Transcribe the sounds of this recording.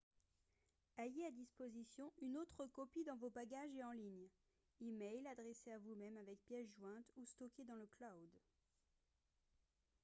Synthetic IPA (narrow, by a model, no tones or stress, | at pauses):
ajead̪ispozisjɔ̃ynot̪χəkɔpid̪ɑ̃vobaɡʲaʒeɑ̃liɲ | imɛjlad̪ʁeseavumɛmavɛk̚pjɛsʒwɛ̃t̪ust̪ɔkʲed̪ɑ̃ləklawd̪